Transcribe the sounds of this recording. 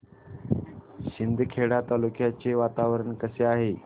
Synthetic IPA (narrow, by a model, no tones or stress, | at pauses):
ɕind̪ʱkʰeɽat̪alukʰjat͡seʋat̪aʋɾəɳkəseaɦe